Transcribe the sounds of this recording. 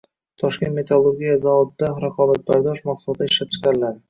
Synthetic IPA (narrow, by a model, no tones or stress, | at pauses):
t̪ʰɒʃkʲe̞nt̪me̞t̪ʰalˠːoɾɡʲijazavɒbd̪aɾaqʰɒbat̪̚baɾd̪ɒʃmaqsulˠt̪ːaɪʃlap̚t͡ʃʰɪ̥qɑnlaɾɪ